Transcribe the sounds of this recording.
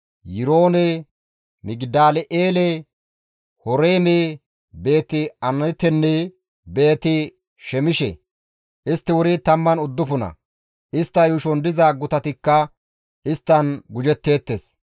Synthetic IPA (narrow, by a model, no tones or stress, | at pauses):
jɪɾo̞ːnɛ | mɪɡd̪aːlɛʔeːle | hɔɾeːme | be̞ːt̪ːɪɐnɐt̪ːɛnːɛ | be̞ːt̪ɪ | ʃɛmɪʃɛ̰ | ʔɪst̪ːɪwʊɾɪt̪ɐmːɐnʊd̪ːʊfʊnɐ̰ | ʔɪst̪ːɐjʊʃɔnd̪ɪzɐɡʊt̪ɐt̪ɪkːɐ | ɪst̪ːɐnɡʊd͡ʒɛt̪ːe̞ːt̪ːeːs